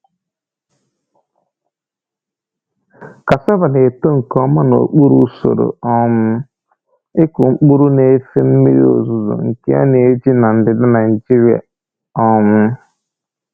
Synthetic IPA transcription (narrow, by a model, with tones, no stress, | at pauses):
ka˨sɔ˦ba˨ne˨to˦ŋ̩˨kɔ˦ma˦no˨o˨k͡pu˦ɾu˦so̰˨ɾo̰˨ɔ˦mʊ˦ | ɪ˦kʊ˨ŋ͡m̩˦k͡pu˦ɾu˦ne˨˦fe˦m̩˦mḭ˦ɾḭ˦o̰˨zu˨zo̰˨ŋ̩˨ke˦a̰˦ne˨e˦d͡ʒi˦na˨n̩˨dɪ˨da˦na˨d͡ʒi˦ɾi˨a̰˨ | ɔ˦mʊ˦